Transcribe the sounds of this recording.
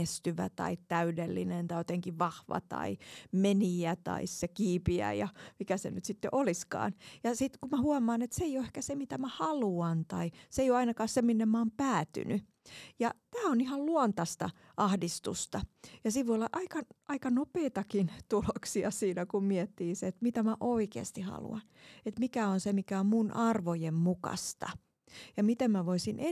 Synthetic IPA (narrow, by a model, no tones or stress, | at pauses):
est̪yʋæ̰t̪ɑ̰itt̪æydelːḭnent̪ɑjot̪eŋkiʋɑhʋɑ̰t̪ɑ̰imeniæt̪ɑ̰issekiːpiæ̰jɑmikæsḛnyt̪sit̪ːḛʔoliskɑ̰ːnjɑsit̪kumæhuɑmɑːnet̪seijoehkæsemit̪æmæhɑluɑnt̪ɑiseijoɑinɑkɑːsseminːemmɑːmpæːt̪y̰ny | jɑt̪æːonihɑlluont̪ɑst̪ɑ̰ | ʔɑhdist̪ṵst̪ɑjɑsiʋʋoijolːɑʔɑikɑʔɑikɑnopeːt̪ɑkint̪uloksiɑsiːnækummiɛt̪ːiːseet̪mit̪æmæʔoikḛːst̪ihɑ̰lṵɑnet̪mikæonsemikæommunʔɑrʋojemmukɑ̰st̪ɑ | jɑmit̪emmæʋoisinʔe